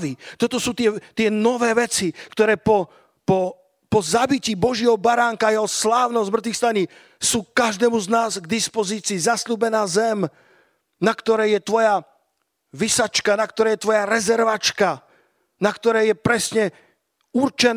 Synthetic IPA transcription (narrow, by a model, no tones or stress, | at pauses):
ʋit̪ɔt̪ɔsuːt̪ɪɛt̪ɪɛnɔʋɛːʋɛt͡sikt̪ɔɾɛːpɔ | pɔ | pɔzabiciːbɔʒjɛɦɔbaɾaːŋkaːjɛɦɔslaːʊnɔzmr̩t̪ʋixst̪aɲi | suːkaʒd̪ɛːmuznaːzɡd̪ispɔziːt͡siːzasluːbɛnaːzɛm | nakt̪ɔɾɛjjɛt̪ʋɔja | ʋisat͡ʃkanakt̪ɔɾɛːjɛt̪ʋɔjaɾɛzɛɾʋat͡ʃka | nakt̪ɔɾɛjɛpɾɛsɲɛ | urt͡ʃɛn